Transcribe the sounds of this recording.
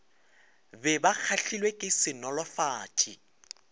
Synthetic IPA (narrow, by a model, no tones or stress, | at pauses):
bɛbak͡xʰaɬilwekʼɪsɪnɔlɔfaːtʰʼi